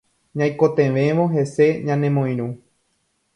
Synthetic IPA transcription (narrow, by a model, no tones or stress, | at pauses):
ɲãjkot̪ẽʋẽ̞ʋoɦe̞se̞ɲãnẽ̞mõj̃ɾ̃ũ